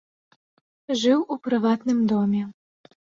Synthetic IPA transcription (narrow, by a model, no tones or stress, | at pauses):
ʐɨwʔupɾɨvat̪nɨmd̪ɔmʲɛ